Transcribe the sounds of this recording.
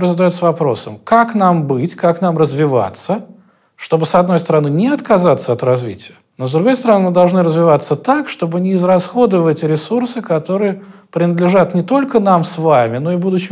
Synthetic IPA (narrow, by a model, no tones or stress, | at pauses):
əzəd̪ɐjot̪səvɐpɾo̞̰sə̰mkaknambɨtʲkaknamrəzvʲɪva̰t̪sːə | ʂt̪o̞bɨsɐd̪no̞jst̪əɾɐnɨnʲɪɐt̪kɐzat̪səɐt̪rɐzvʲḭtʲɪjə | no̞zd̪ɾʊɡo̞jst̪əɾɐnɨmɨd̪ɐlˠʐnɨɾəzvʲɪvat̪sːət̪akʂt̪o̞bɨnʲɪːzrɐsxo̞d̪əvɛtʲɾʲɪsursɨkɐt̪o̞ɾɨjəpɾʲɪnəd̪lʲɪʐat̪nʲɪt̪o̞lʲkənamsvamʲɪno̞ɪbud̪ʊɕɪ